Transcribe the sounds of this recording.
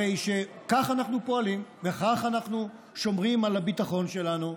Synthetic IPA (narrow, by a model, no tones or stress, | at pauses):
ejʃe̞kaχanaχnupo̞alimveχaχanaχnu | ʃo̞mʁimalabitaχo̞nʃe̞lanu